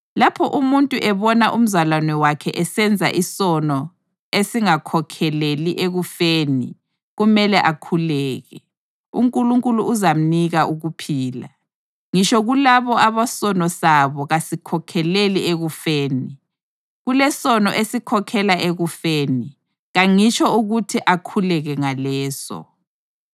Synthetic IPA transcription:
lapʰɔʔumuntʼuʔɛβɔnaʔum̩zalwanɛwakʰɛ̰ʔɛsɛnd͡zʱa̰ʔisɔnɔ | esiŋakʰɔkʰɛleliʔeɣufeːnḭ | ɣumɛlɛʔakʰulɛːɣɛ | ṵŋkʼuluŋkʼuluːzam̩niɣaʔuɣupʰiːla̰ | ŋiʃɔɣulaβɔaβasɔnɔsaβɔɣasikʰɔkʰɛlelieɣufeːni | ɣulɛsɔnɔʔesikʰɔkʰɛlaʔeɣufeːni | ɣaŋit͡ʃʰʼɔuɣutʰiʔakʰulɛɣɛŋalɛːsɔ̰

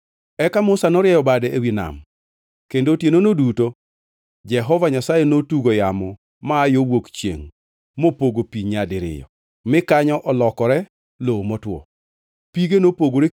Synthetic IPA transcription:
ɛkamʊsanɔɾjɛjɔbadɛewina̰m | kendotjenonoduto | d͡ʒɛɦɔvaɲasajɛnotuɡojamɔ | maːjowokt͡ʃjḛŋ | mopoɡopiɲadɪɾɪ̰jɔ̰ | mɪkaɲɔʔɔlɔkɔɾɛ | lomɔtwɔ̰ | piɡenopoɡoɾe

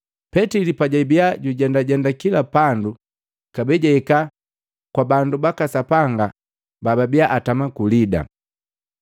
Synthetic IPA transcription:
pɛtilipaɟaibiaɟuɟɛndaɟɛndakilapandu | kabɛɟaɛka | kwabandubakasapaŋɡa | bababiaʔatamakulida̰

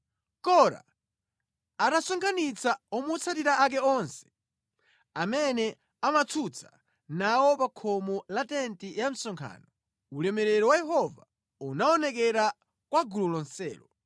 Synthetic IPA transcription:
kɔɾa̰ | atasɔŋkʰanit͡saɔmut͡sʰatiɾaʔak̬ɛɔnsɛ̥ | amɛnɛ | amat͡sʰut͡sʰḁ | nawɔpakʰɔmɔlatɛntijam̩sɔŋkʰa̰ːnɔ | ulɛmɛɾɛɾɔwajɛhɔva | unaɔnɛk̬ɛɾa | kwaɡululɔnsɛ̰ːlɔ

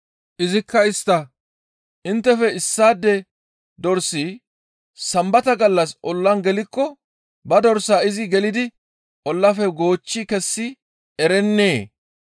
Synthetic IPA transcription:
ʔɪzɪkːɐɪst̪ɐ | ʔɪnt̪ːɛfɛɪsːaːd̪ːɛ | d̪ɔɾsiː | sɐmbɐt̪ɐɡɐlːɐsʔɔlːɐnɡɛlɪkːɔ | bɐd̪ɔɾsaːɪzɪɡɛlɪd̪ɪ | ʔɔlːɐfɛɡo̞ːt͡ʃːikɛsːɪ | ɛɾɛnːeː

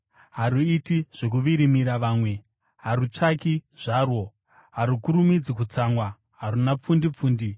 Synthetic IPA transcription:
ɦaɾuitiʐ̥ek̬uʋiɾimiɾaʋaːmwe̞ | ɦaɾut͡ʂakiʐaːrwo̞ | ɦaɾukuɾumid͡zikut͡saŋɡwa | ɦaɾunap͡fundip͡fuːndi

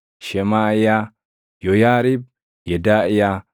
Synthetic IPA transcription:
ʃɛmaːʔɪja | jɔjaːɾɪb̚ | jɛd̪aːʔɪja

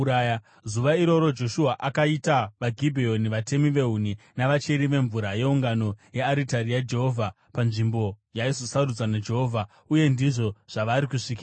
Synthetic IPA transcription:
aja | zuʋaiɾo̞ɾo̞d͡ʒo̞ʃuɦaʔakaitaʋaɡʱibʱio̞niʋate̞miʋe̞uninaʋat͡ʃe̞ɾiʋe̞ɱvuɾaje̞uŋɡano̞jeaɾitarijad͡ʒe̞ɦo̞vʱa | panʐimbo̞ | jaizo̞sarud͡zanad͡ʒe̞ɦo̞vʱa | uje̞ndiʐo̞ʐ̥aʋaɾikuʂikia

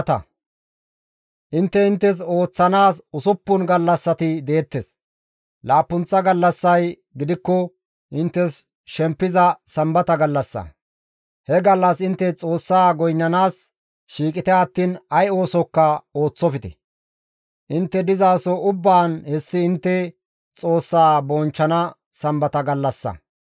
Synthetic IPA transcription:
t̪ɐ̰ | ʔɪnt̪ːɛɪnt̪ːɛs̬o̞ːt͡sːɐnaːsʊsʊpːʊnɡɐlːɐsːɐt̪ɪd̪eːt̪ːes | laːpːʊnt͡sːɐɡɐlːɐsːɐj | ɡɪd̪ɪkːɔ | ʔɪnt̪ːɛs | ʃɛmpːɪzɐsɐmbɐt̪ɐɡɐlːɐsːɐ̰ | hɛɡɐlːɐsɪnt̪ːɛt͡sʼo̞ːsːaːɡɔjnːɐnaːs | ʃiːkʼɪt̪ɛɐt̪ːiːnɐjo̞ːsɔkːɐo̞ːt͡sːɔfɪt̪ɛ̰ | ʔɪnt̪ːɛd̪ɪzaːsɔʊbːaːnhɛsːɪɪnt̪ːɛ | t͡sʼo̞ːsːaːbɔnt͡ʃːɐnɐ | sɐmbɐt̪ɐɡɐlːɐsːɐ̰

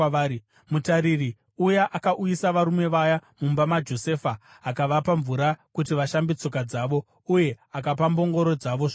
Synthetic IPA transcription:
mutaɾiri | ujaʔakaʔujisaʋaɾume̞ʋajamumbamad͡ʒo̞se̞faː | kaʋapaɱvuɾakutiʋaʃambit͡so̞kad͡zaːʋo̞ | uje̞ | akap̬ambo̞ŋɡo̞ɾo̞d͡zaʋo̞ʐ

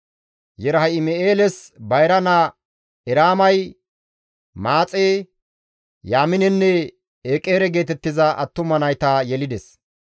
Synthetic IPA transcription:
jɛɾɐɦɐɪmɛeːlɛsbɐjɾɐna | ɛɾaːmɐj | maːt͡sʼeː | jaːmɪnɛnːɛ | eːkʼe̞ːɾɛɡe̞ːt̪ɛt̪ːɪzɐʔɐt̪ːʊmɐnɐjt̪ajɛlɪd̪ɛs

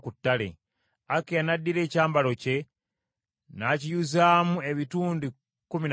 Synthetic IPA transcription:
kutːalḛ | akeanadːiɾe̞ːcaːmbalo̞ce̞ | nacijuzaːmue̞βituːndi | kumin

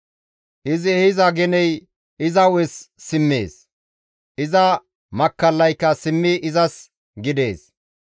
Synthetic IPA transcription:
ʔɪzɛhɪzɐɡɛnɛj | ɪzɐwɛsːɪmːḛːs | ʔɪzɐ | mɐkːɐlːɐjkːɐsɪmːɪʔɪzɐs | ɡɪd̪e̞̰ːs

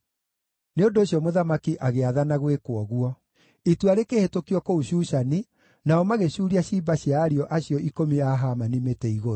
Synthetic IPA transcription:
neondoːɕjɔmoðamakiʔaɣeaðanaɣwekwɔɣwɔ | ituaɾekehetokiɔkouɕuːʃani | naɔmaɣeɕuːɾiaɕibaɕjaːɾiɔʔaɕijɔikomiaɦamanimetɛiɣoɾo

